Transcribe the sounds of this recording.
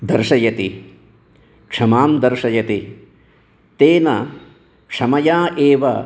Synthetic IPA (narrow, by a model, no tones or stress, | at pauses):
d̪ɐɾʂɐjɐt̪i | kʂɐmaːmd̪ɐɾʂɐjɐt̪i | t̪eːnɐ | kʂɐmɐjaːʔeːʋɐ̰